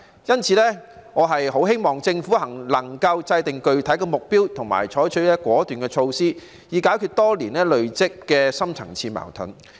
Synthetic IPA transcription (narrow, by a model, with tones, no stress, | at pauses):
jɐ˥nt͡sʰiː˨˧˥lɛː˥ŋɔː˨˧ɦɐ˨jɦo˨˥wɦe˥jmɔː˨˩ŋt͡sɪ˧ŋfuː˨˥hɐ˨˩ŋlɐ˨˩ŋkɐ˧wt͡sɐ˧jt̪ɪ˨ŋkɵ˨ɥt̪ʰɐ˨˥jkɛ˧mʊ˨k̚piː˥wt̪ʰʊ˨˩ŋma̰ː˨˩jt͡ʃʰɔː˨˥jt͡ʃʰɵ˨˥lɛː˥kʷɔː˨˥t̪yː˨nkɛː˧t͡ʃʰo˧wsiː˥ | jiː˨˧kaː˨˥jkʰyː˧t̚t̪ɔː˥liː˨˩nlɛː˥lɵ˨ɥt͡sɪ˥kːɛː˧sɐ˥mt͡sʰɐ̰˨˩ŋt͡sʰiː˧ma̰ː˨˩wt̪ʰʊ̰˨˥n